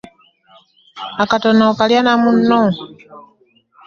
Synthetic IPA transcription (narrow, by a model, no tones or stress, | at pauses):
akatonokaljanamunːo